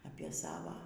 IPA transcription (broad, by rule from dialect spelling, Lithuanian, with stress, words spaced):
ɐpʲiɛ ˈsɑːʋɐ